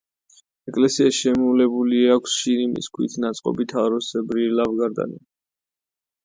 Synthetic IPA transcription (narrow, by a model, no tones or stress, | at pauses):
ɛkʼlɛsiaʃɛmulɛbuliakʷʰsʃinimḭskʰwḭt̪ʰnat̪sʼqʼɔ̰bit̪ʰaɾɔsɛbɾilavɡaɾd̪a̰nḭ